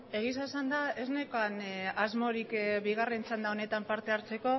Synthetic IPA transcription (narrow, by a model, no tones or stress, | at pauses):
e̞ɣ̞is̬asand̪ae̞zne̞koanazmo̞ɾikβiɣ̞are̞nt͡sand̪ao̞ne̞t̪ampaɾt̪e̞aɾt͡se̞ko̞